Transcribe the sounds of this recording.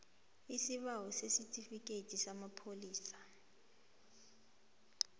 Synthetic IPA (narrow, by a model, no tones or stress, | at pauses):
isiɓawɔsesitʰʼifik̬ʼetʰʼisamapʰoliːsḁ